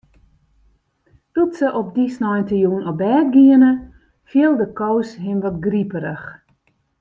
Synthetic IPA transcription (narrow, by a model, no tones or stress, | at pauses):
tutsəʔɔpdisnɔjntəjuːnɔbɛːt̚ɡiənə | fjiəlˠdəkowsɦɪmʋɔtɡripəɾəx